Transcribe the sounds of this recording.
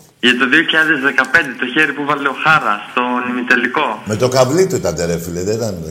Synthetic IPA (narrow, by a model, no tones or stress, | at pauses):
ʝɐt̪o̞ðioçiʎɐðe̞zðekɐpe̞nd̪et̪o̞çeɾipuvɐleoxɐɾɐst̪o̞nimit̪eliko̞me̞t̪o̞kɐvlit̪ot̪ɐd̪eɾefileðet̪ɐn